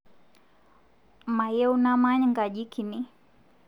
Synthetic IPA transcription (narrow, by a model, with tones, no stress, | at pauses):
ma˨jɛ˦unama˦ɲŋɡa˨ʄi˦kʰi˨ni˦